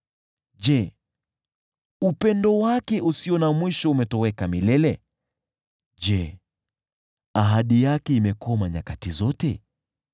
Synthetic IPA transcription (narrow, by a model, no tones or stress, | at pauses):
ʄɛ | upɛndɔwakɛʔusiɔnamwiʃɔumɛtɔwɛkamilɛlɛ | ʄɛ | aɦaɗijakɛimɛkɔmaɲakatizɔtɛ